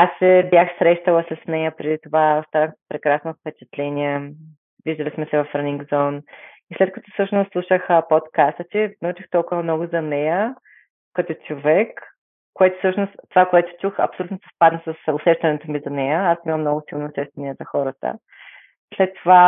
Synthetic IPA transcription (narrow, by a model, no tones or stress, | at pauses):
asɛbjaxsɾɛʃt̪əlˠəsɐsnɛjəpɾɛd̪it̪ovaost̪anəxpɾɛkɾasnofpɛt͡ʃɛ̥t̪lɛnʲiɛ | viʒd̪ɐlismɛsɛvɐfɾəniŋɡzɔn | islɛt̪̚kɐt̪ɔ̥sɤʃnʊst̪ːlˠuʃəxpot̪kast̪ət̪inut͡ʃixt̪ɔlˠkʊvɐmnɔɡʊzɐnɛjə | kɐt̪ɔt͡ʃovɛkː | oɛt̪ʊ̥fsɤʃnʊst̪t̪ovakoɛt̪ʊ̥t͡ʃuxɐ̰psolʲut̪nʊsɛ̥spad̪nəsɐsʊsɛʃt̪ɐnɛt̪omizɐnɛjəasimɐmnɔɡʊsilˠnoːsɛʃt̪ɐniɛzɐxɔɾət̪ə̰ | slɛt̪ːova